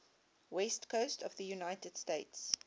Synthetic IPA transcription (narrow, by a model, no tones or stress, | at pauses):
wɛstkʰoʊstʰɔvðəjunaɪtəd̥steɪts